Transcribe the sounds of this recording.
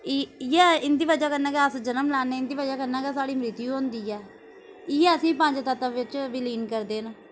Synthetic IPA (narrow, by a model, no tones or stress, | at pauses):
ɪjɛːɪnd̪iːʋəd͡ʒaːkənːãːkeːəsd͡ʒənəmlɛːneːɪnd̪iːʋəd͡ʒaːkənːãːkeːsaːɽiːmɾɪt̪iːũɦõːnd̪iːɛː | ɪɛːəsĩːpə̃ːɲd͡ʒt̪ət̪əʋɪt͡ʃʋɪliːnkəɾd̪eːnaː